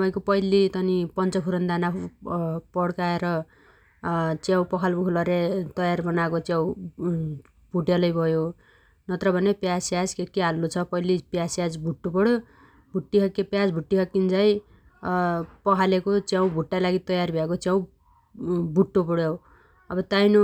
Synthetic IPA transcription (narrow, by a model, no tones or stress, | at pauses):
t̪paj̃kopʌjlit̪ʌnipʌnt͡sʌpʰuɾʌnd̪ana | pʌɽkaeɾʌ | t͡sjãw̃pʌkʰalbʱukʰlʌɾet̪ʌjarbʌnakot͡sjaw̃ | bʱuʈjalʌjbʱʌjo | nʌt̪ɾʌbʱʌnepjasjad͡zkekeɦalːot͡sʰʌpʌjlipjasjad͡zbʱuʈːopʌɽjo | bʱuʈːiɦʌkːepjad͡zbʱuʈːiɦʌkːind͡zaj | pʌkʰalekot͡sjãw̃bʱuʈːalaɡit̪ʌjarbʱjakot͡sjãw̃ | bʱuʈːopʌɽja | ʌbʌt̪ajnu